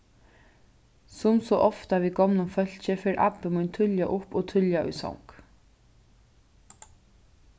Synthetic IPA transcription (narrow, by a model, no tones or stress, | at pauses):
sʊmsɔʔɔft̪aʋiːɡɔmnʊmfœl̥t͡ɕɪfeːɾʔa̰pːɪmʊjnt̪ʰʏljaʔʊpɔt̪ʰʏljaʔʊ̰jsɔ̰wŋk